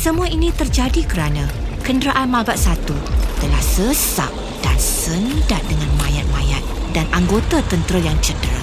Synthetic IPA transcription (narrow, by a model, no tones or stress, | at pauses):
səmuainĩt̪ərd͡ʒadikəɾanãkəndɾaʔalmalbaʔsat̪ut̪əlahsəsa̰ʔ̚ | d̥ansəndat̚dəŋanmãjat̪̚mãjat̪̚danʔaŋɡot̪at̪ənt̪ɾəjaŋt͡ʃədɾə̰